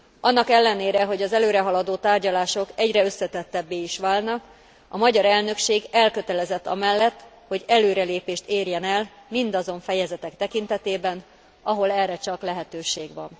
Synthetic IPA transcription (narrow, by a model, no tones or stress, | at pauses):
ʔɒnːɒkɛlːɛneːɾɛɦo̞ɟɒzɛløːɾɛɦɒlɒd̪oːt̪aːrɟɒlaːʃo̞kɛɟrɛø̞sːɛt̪ɛt̪ːɛbːeːiʃʋaːlnɒk | ɒmɒɟɒɾɛlnø̞kʃeːɡɛlkø̞t̪ɛlɛzɛt̪ːɒ̰mɛlːɛt̪ː | ho̞ɟɛløːɾɛleːpeːʃt̪eːrjɛnɛl | mind̪ɒzo̞ɱfɛjɛzɛt̪ɛkt̪ɛkint̪ɛt̪eːbɛn | ɒɦo̞lɛrːɛt͡ʃɒklɛɦɛt̪øːʃeːɡʋɒ̰n